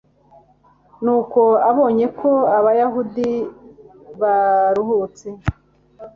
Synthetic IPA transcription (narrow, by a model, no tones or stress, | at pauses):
nuːko̞aβo̞ːɲe̞kʰo̞aβajaɦudi | βaɾuhut͡se